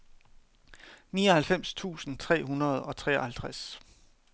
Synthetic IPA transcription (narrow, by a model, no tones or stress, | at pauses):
niːɒhælfem̰st͡sʰṵːsn̩t͡sʰʁɛ̰ːɦunɐð̞ˠɒ̽t͡sʰʁɛ̰ːɒhælt͡sʰʁas